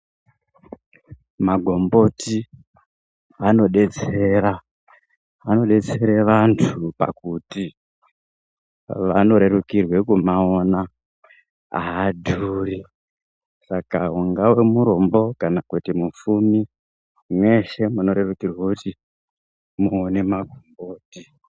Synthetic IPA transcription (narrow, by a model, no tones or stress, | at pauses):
maɡʱo̞mbo̞ti | ano̞ɗe̞t͡sera | ʋano̞ɗe̞t͡se̞ɾeʋantʰupa̰kuti | ʋa̰no̞ɾe̞rukirwe̞kumaona | a̰ɦadʱuːri | sakauŋɡawe̞muɾo̞mbo̞kanakutimufumi | mwe̞ʃe̞muno̞ɾe̞rukirwakuti | muone̞maɡʱo̞mboːti